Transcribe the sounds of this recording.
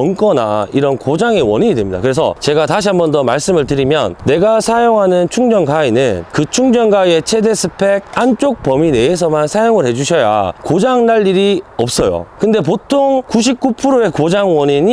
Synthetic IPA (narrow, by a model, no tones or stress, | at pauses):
ʌnk͈ʌna̰iɾʌnkod͡ʑaŋe̞wʌɲiɲidwe̞mɲida̰kɯɾe̞sʰʌ̰t͡ɕe̞ɡataɕ̬ʰiɦambʌndʌmaɭs͈ɯmɯɭtɯɾimjʌ̰nne̞ɡasʰajoŋɦanɯnt͡ɕʰuŋd͡ʑʌnkainɯ̰nkɯt͡ɕʰuŋd͡ʑʌnɡaie̞t͡ɕʰe̞de̞sʰɯpʰe̞ɡant͡ɕ͈ok̚pʌmine̞ːs̬ʰʌmansʰajoŋɯɭɦe̞d͡ʑuɕʰʌja̰kod͡ʑaŋnaʎːiɾiʌp̚s͈ʌjo̰kɯnde̞p̬otʰoŋkuɕ̬ʰip̚k͈upʰɯɾoe̞kod͡ʑaŋwʌɲiɲi